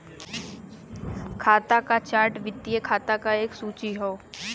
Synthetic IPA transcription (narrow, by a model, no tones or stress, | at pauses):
kʰaːt̪akat͡ʃaːɾʈʋɪt̪ːiekʰaːt̪akaeːksuːt͡ʃiɦoː